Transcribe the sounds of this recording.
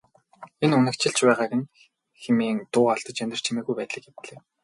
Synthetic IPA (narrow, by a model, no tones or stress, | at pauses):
enunɘ̆kt͡ɕɪ̆ɬt͡ɕpæːʁaːɣĕn | xemiːŋt̪ʊːaɬt̪ɞ̆t͡ɕænʲt̪ɪ̆r̥t͡ɕʰimeːɣujpæːt̪ɮə̆kawt̪ɮeː